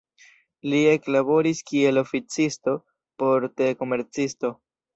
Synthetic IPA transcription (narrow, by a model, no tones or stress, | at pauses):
lieklabo̞ɾiskie̞lo̞fit͡sisto̞ | po̞ɾteleko̞me̞ɾt͡sisto̞